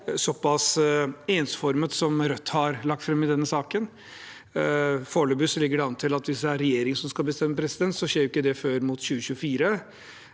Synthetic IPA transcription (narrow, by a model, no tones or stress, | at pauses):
sɔpːɑseːnsfɔɾmət̪sɔmɾœt̪ːhɑɾlɑk̚t̪fɾɛmːɪd̪ɛnːəsɑːkən | foːɭəbʉslɪɡːəɖɛɑnːət̪ʰɪlɑt̪ʋɪsd̪ɛæɾɛjeːɾɪŋsɔmskɑlbəst̪ɛmːəpʰɾɛsɪd̪ɛnt̪sɔɕeːɾjʊɪkːəd̪ɛføːɾmʊt̪ɕʉːəɕʉəfiːɾə